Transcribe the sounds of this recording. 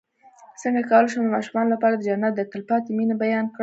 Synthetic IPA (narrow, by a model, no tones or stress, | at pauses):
səŋɡakɑwəlʃ̬omd̪əmɑʃumɑnolapɑɽad̪əd͡ʒanːat̪̚d̪ət̪əlpɑt̪eminabajɑnkɽ